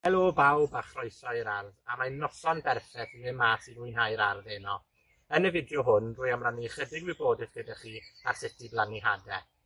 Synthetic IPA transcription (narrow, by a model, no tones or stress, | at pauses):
vɛlˠɔbawbaχrɔɨsɔɪɾarðamanɔsɔnbɛrθɛθnɪnmasinʊjnɦajɾarðenɔ | ənəvɪdjɔɦʊnruːjamraniχədɪɡwiboːdɨθɡ̥ədaχiːa̰rsɪtʰiblˠaniɦadɛ